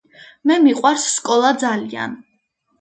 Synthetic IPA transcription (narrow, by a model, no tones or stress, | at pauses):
mɛmiqʼwaɾsːkʼɔlˠad̪zalia̰n